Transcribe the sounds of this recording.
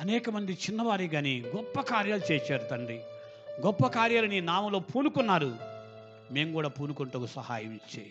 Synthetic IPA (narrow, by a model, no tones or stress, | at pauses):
ɐnɛːkɐmɐnd̪it͡ʃinːɐʋaːɾiɡaːniɡɔpːɐkaːɾjaːlut͡ʃeːt͡ʃeːɾut̪ɐɳɖi | ɡɔpːɐkaːɾjaːlɐniːnaːmɐlo̞ːpʰuːnukunːaːɾu | me̞ːmɡuːɽaːpuːnukuɳʈoːkusɐhaːjɐmit͡ʃːḛː